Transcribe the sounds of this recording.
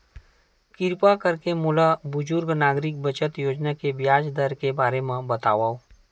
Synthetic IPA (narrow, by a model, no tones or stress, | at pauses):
kɪɾpakɐɾkemʊlabʊd͡ʒʊɾɡnaːɡɾɪk̚bɐt͡ʃət̪joːd͡ʒnakebjaːd͡ʒd̪əɾkebaːɾemãbɐt̪aːʋaːoː